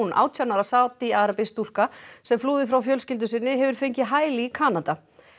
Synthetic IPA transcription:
nʔa̰ːwt̪ʰanaɾasaːwt̪iaːɾapɪst̪ul̥kasɛmfluːðɪfɾawfjœlscɪlt̪̬ʏsɪnːɪɦɛvʏɾ̥feɲcɪɦaːjlikʰaːnat̪a

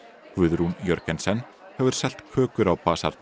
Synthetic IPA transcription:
kvʏðɾunjœɾkɛnsɛn | hɛvʏɾ̥sɛl̥t̪kʰœːkʏɾawpaːsa̰ɾt̪n

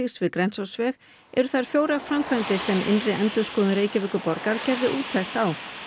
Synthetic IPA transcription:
ixsvɪðkɾɛnsawsvɛx | ɛ̰ɾʏθajɾ̥fjoːwɾaɣfɾamkʰvant̪ɪsɛmʔɪ̰nrɪʔɛnt̪ʏskɔːðʏnɾeːjcɪvʏːkʏpɔɾkaɾcɛɾðɪʔuːt̪ʰːajxt̪aw

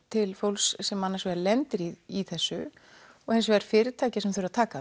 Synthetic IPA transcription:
t̪ʰɪlfowlssɛmanːasvɛɾlɛnt̪ɪɾiiθɛsːʏ | ɔɣẽjns̬vɛɾ̥fɪːɾɪt̪ʰaːcɪsɛmθœʏɾaðt̪ʰaːka

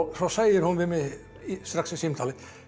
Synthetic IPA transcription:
sɔsæɪəɾhʊnʋɪmɛ | st̪ɾɑksɪsimt̪ʰɑːlə

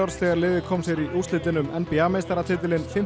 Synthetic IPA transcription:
aɾsθɛːɣaɾlɪːðɪkʰɔːmsjɛɾiʔust̪ɪt̪ɪnʏmɛ̰npiamejst̪aɾat̪ʰɪːt̪ɪlɪnfɪm

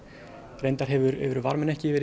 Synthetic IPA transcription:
rejnt̪aɾ̥ɦɛvʏɾœ̰ːvʏɾʏvaɾmɪnɛhcɪvɛːɾ

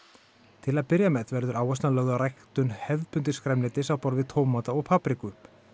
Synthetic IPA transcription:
t̪ʰɪlaðpɪɾjamɛðvɛɾðʏɾaːwɛst̪nalœɣðarajkt̪ʏnhɛvpʏnt̪ɪskɾɛmnlɪːt̪ɪsawpɔɾvɪt̪ʰoːwmat̪aɔɣpʰaːpɾikʏʏp

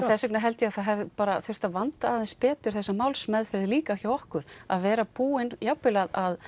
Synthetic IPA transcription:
θɛsːʏknaɦɛlt̪jɛaðθaðɦɛvɪpaːɾaθʏ̥t̪aðvant̪aːðɛnspɛːt̪ʏɾ̥θɛsːamaːwlsmɛðfɪɾɪðliːkaçjawɔhkʏɾa̰ðvɛːɾapuːɪnjawpɪlaðað

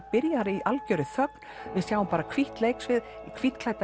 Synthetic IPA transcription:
pɪɾjaɾiʔalcœɾɪθœkn̥vɪðsjaːwʏmpaːɾakʰviht̪lejksvɪð | kʰviht̪kʰlajt̪a

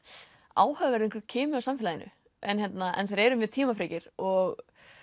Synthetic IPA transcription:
a̰ːwhœvvɛɾðɪ̃ŋkɾcʰɛːmʏawsamfɪlaðɪnʔʏ̰ | ʔɛnçjɛt̪naɛ̰nθaðɾɛɾʏmjɛðt̪ʰiːmafɾeːcɪɾ̥ɔɣ

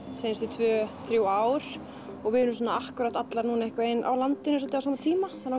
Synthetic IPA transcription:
θejnst̪it̪ʰvœːθɾjuaːwɾ̥ | ɔɣvɪðʏnʏmsɔnːaahkʏɾat̪at̪laɾnuːnaɛhkvaejnʔa̰wlant̪ɪnːʏsɔlt̪ɪasaːmat̪ʰiːmaθaɾa

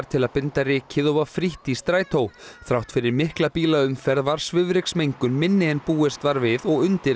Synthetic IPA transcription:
ɾ̥t̪ʰɪlaðpɪnt̪arɪːcʰɪðowvafɾiht̪ist̪ɾaːjt̪ʰowθɾawht̪fɪɾɪɾmɪhklapiːlaʏmfɛɾðvaɾ̥svʏvɾɪksmejŋkʏnmɪnːɪɛnpuːɪst̪vaɾvɪðɔɣʏnt̪ɪ

